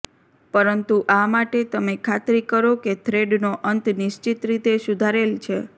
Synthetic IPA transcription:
pəɾənt̪uʔamaʈet̪əmekʰat̪ɾikəɾoket̪ʰɾeɖnoʔənt̪nɪʃt͡ʃit̪ɾit̪esʊd̪ʱaɾelt͡ʃʰe

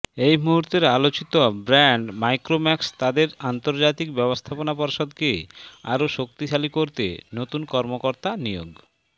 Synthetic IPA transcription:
ejmuɦuɾt̪eɾalot͡ɕit̪obɾɛɳɖmajkɾomɛkst̪ad̪eɾant̪oɾd͡ʑat̪ikbɛbost̪ʰaponapɔɾʃod̪kea̰ɾoʃok̚t̪iʃalikoɾt̪ḛnot̪unkɔɾmokoɾt̪anijoɡ

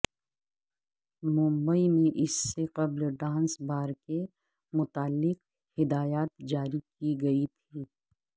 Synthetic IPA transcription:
mʊ̃mbəimẽʔɪsːeqɐblɖãːnsbaːɾke | mʊt̪aːlːɪq | hɪd̪aːjaːt̪̚d͡ʒaːɾikiɡɐit̪ʰiː

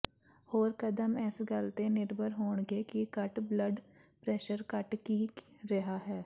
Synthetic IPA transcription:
hoːɾkəd̪əmɛːsɡəlt̪ẽnɪɾbʱəɾɦoːɳɡeːkikəʈbləɖpɾɛːʃəɾkəʈkiɾɐɦaːɦɛː

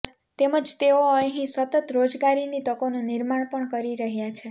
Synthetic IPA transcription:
t̪eməd͡ʒt̪eoəɦĩsət̪ət̪ɾod͡ʒɡaɾinit̪əkonũniɾmaɳpəɳkəɾiɾəɦjat͡ʃʰe

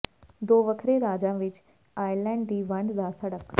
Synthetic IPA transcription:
d̪oːʋəkʰɾeɾaːd͡ʒãːʋɪt͡ʃ | aːjlɛ̃ːɳɖd̪iːʋə̃ɳɖd̪aːsəɽək

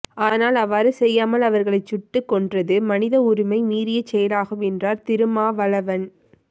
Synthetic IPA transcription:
aːnaːlɐʋaːɾɯsɛjːaːmɐlɐʋɐɾɣɐɭɐɪt͡ʃːʊʈːɯkːɔɳdrɐðɯmɐnɪðɐʊɾɪmɐɪmiːɾɪjɐt͡ʃɛjɐlaːɣɯmɛndraːɾt̪ɪɾɯmaːʋɐɭɐʋɐn

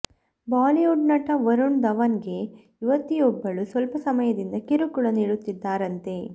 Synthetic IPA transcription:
baːliuɖnɐʈɐʋɐɾuɳd̪ɐʋɐnɡe̞ | iʋɐt̪ːijɔbːɐɭusʋɐlpɐsɐmɐjɐd̪ind̪ɐkiɾukuɭɐniːɽut̪ːid̪ːaːɾɐnt̪e̞

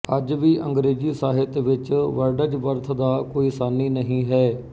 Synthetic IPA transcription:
əd͡ʒʋiːʔə̃ŋɡɾeːd͡ʒiːsaːɦɪt̪ʋɪt͡ʃʋəɾɖəd͡ʒʋəɾt̪ʰd̪aːkoːiːsaːnːiːnəɦĩːɦɛː

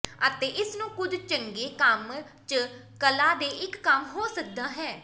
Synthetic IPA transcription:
ət̪eːʔɪsnũːkʊd͡ʒt͡ʃəŋɡeːkəm | t͡ʃə | kəlaːd̪eːʔɪkːəmɦoːsək̚d̪aːɦɛː

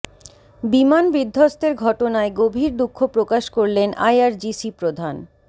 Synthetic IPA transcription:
bimanbid̪ʱːost̪eɾɡʱɔʈonaeɡobʱiɾd̪ukʰːopɾokaʃkoɾlenʔa̰jaɾd͡ʑisipɾod̪ʱan

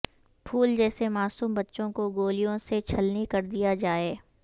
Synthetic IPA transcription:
pʰuːld͡ʒɛːsemaːsuːmbɐtːʃõkoɡoːlijõset͡ʃʰɐlnikɐɾd̪ijad͡ʒaːeː

